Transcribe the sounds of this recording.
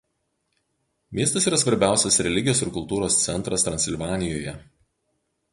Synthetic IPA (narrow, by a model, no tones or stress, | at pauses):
mʲiɛst̪ɐsiːɾɐsʋɐɾʲbʲæˑʊsʲɛsɾʲɛlʲɪɡʲɪjoːsɪɾkʊlˠt̪uːɾoːst̪sʲɛnˑt̪ɾɐst̪ɾɐnʲsʲɪlʲʋɑːnʲɪjoːjɛ